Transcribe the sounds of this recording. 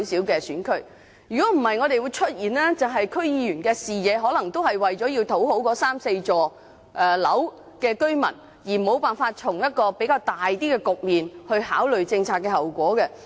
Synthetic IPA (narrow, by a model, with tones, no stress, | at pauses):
wsiː˨˥wkɛː˧syː˨˥nkʰɵ˥ɥ | jy˨kɔː˨˥m̩˨˩hɐ˨˩jŋɔː˨˧ɾe˨jwuː˨˧jt͡ʃʰɵ˥t̚jiː˨nlɛː˥t͡sɐ˨wɦɐ˨jkʰɵ˥ɥjiː˧jyː˨˩nkɛː˧siː˨˩jɛː˨˧ɦɔː˨˥lɐ˨˩ŋt̪o˥whɐ˨jwɐ˨jt͡ʃɔː˨˥ji˧wt̪ʰo˨˥who˨˥wkɔː˨˥saː˥mse˧jt͡sɔː˨ | ʔɛː˨lɐ˨˥w | kɛː˧kɵ˥ɥmɐ̰˨˩n | jiː˨˩mo˨˧wpaː˨nfaː˧t̚t͡ʃʰʊ˨˩ŋjɐ˥t̚kɔː˧pe˨˥jkaː˧wt̪aː˨jt̪iː˥kɛː˧kʊ˨k̚miː˨nhɵ˧ɥhaː˨˥wlɵ˨˩ɥt͡sɪ˧ŋt͡sʰaː˧t̚kɛː˧hɐ˨wkʷɔː˨˥kɛ˧